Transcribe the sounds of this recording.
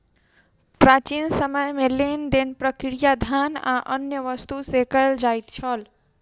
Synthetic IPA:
pɾat͡ʃiːnsəməjmẽlend̪enpɾəkɪɾijad̪ʱanã̰ʔənjəʋəst̪usekəld͡ʒajt̪t͡ʃʰəl

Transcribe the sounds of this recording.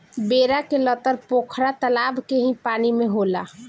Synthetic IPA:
beːɾakelət̪əɾpoːkʰɾat̪əlaːbʱkeɦĩpaːnimẽɦola̰

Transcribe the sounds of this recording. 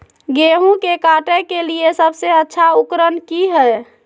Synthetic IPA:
ɡeɦũkekaʈɛkeliesəbʱseətːʃʰaukɾənkiɦə

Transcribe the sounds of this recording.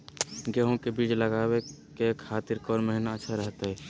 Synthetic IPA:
ɡeɦõkebiːd͡ʒləɡaːwekekʰaːt̪ɪɾkɔːɾməɦnətːʃʰaɾəɦt̪aɦɛː

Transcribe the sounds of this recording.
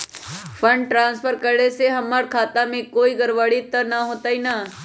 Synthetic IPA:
fʰəɳɖʈɾãːnspʰəɾkəɾɽeseɦəmaːɾkʰaːt̪amẽkoːiːɡəɾʋaːɽit̪ːənaɦoːt̪aːina

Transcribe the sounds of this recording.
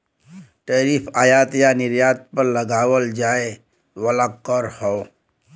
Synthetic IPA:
ʈɛːɾiːpʰaːjaːt̪janɪɾjaːt̪̚pəɾləɡaːwəld͡ʒaːe | ʋəlakɔɾhɔ

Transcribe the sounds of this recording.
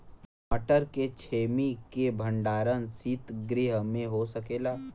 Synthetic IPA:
məʈəɾket͡ʃʰeːmikebʱə̃ɳɖaːɾənsiːt̪ɡɾɪɦmẽɦosəkeːlaː

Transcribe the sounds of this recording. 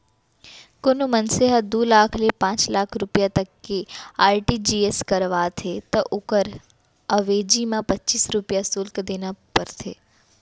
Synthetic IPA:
konumənseɦəd̪ulakʰlepãːt͡ʃlakʰɾupjat̪əkːeaːɾʈid͡ʒieskəɾʋat̪ʰet̪əʔʊkəɾ | əʋed͡ʒimãpətːt͡ʃiːsɾupjasʊlkd̪enapəɾt̪ʰe

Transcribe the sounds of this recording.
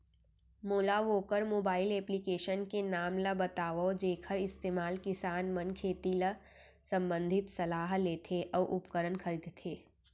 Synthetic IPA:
moːlaʋoːkəɾmoːbaːɪleːplikeːʃənkenaːmləbɐt̪aːʋoːd͡ʒeːkʰəɾɪst̪eːmaːlkɪsaːnmɐnkʰeːt̪ilə | sɐ̃mbə̃nd̪ʱɪt̪sɐlaːɦleːt̪ʰeʔɔːʔʊpkəɾənkʰɐɾiːd̪t̪ʰeː

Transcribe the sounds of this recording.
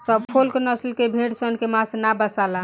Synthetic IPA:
səbpʰolkenʌslkebʱeɽsənkemãsnabəsala

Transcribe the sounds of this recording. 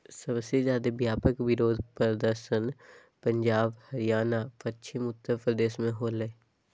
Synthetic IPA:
səbsezjaːd̪ebjaːpəkʋɪɾoːd̪ʱpəɾəd̪əɾʃən | pə̃ɲd͡ʒaːbhəɾɪjaːnafətːʃʰimʊt̪ːəpɾəd̪eːsmẽɦoːləe

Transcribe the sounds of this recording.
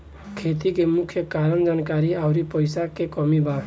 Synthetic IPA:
kʰet̪ikemʊkʰjəkaɾənd͡ʒankaɾiaʊɾipəɪsakekɔmiba

